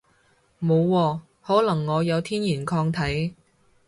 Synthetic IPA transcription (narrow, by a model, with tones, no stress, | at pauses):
mo˨˧wːɔː˧ | hɔː˨˥lɐ˨˩ŋːɔː˨˧jɐ˨˧wt̪ʰiː˥njiː˨˩nkʰɔː˧ŋt̪ʰɐ˨˥j